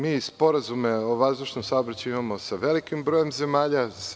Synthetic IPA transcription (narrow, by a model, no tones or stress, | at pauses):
miːspo̞ɾazumeoʋazd̪uʃnomsaobɾat͡ɕuimamo̞saʋe̞likimbɾojemze̞maːʎas